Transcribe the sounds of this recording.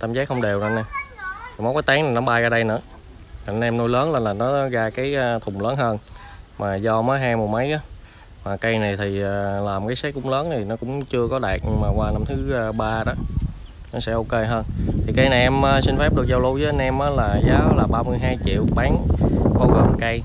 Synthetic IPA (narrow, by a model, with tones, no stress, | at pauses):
t̪aː˧mzaː˨˦˥k̚xwŋ͡mɗe˨˩wza˧na˨˧˩jma˨˦wkaː˨˦t̪aː˨˦ŋna˨˩nɔ˨˦ɓaː˧ɣaː˧ɗə˧jnɨ̰˧˥ə | a˨˧˩nʔɛ˧mno˧jləː˨˦nlaː˨˩laː˨˩nɔ˨˦ɣaː˧kaː˨˦jːt̪ʰʊ˨˩ŋ͡mləː˨˦nɦəː˧nmaː˨˩zɔ˧mə˨˦jɦaː˧jmo˨˩mə˨˦jʔaː˨˦ | maː˨˩kə˧jna˨˩jt̪ʰi˨˩aː˨˩laː˨˩mkaː˨˦jsɛ˦˥k̚kʊ̰˧˥ŋ͡mləː˨˦nt̪ʰi˨˩nɔ˨˦kʊ̰˧˥ŋ͡mt͡ɕɨ˧əkɔ˨˦ɗaː˨˩k̚ɲɨ˧ŋmaː˨˩kwaː˧na˧mt̪ʰɨː˨˦˧ɓaː˧ɗɔ˨˦nɔ˨˦sɛ̰˧˥ʔo˧ke˧ɦəː˧nt̪ʰi˨˩kə˨˧jna˨˩jʔɛ˧mʔəː˧sï˧ŋ̟fɛ˦˥p̚ɗɨ˨˩ək̚zɔ˧wlu˧wzəː˨˦˨nʔɛ˧mʔaː˨˦laː˨˩zaː˨˦˨laː˨˩ɓaː˧mɨ˧əjɦaː˧jt͡ɕḭ˧˨wɓaː˨˦ŋxo˧wɣə˨˩m˨kə˧j